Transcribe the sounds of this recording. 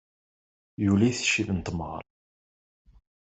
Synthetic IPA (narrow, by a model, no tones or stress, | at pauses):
julæθʃːivənt̪əmʁə̰ɾ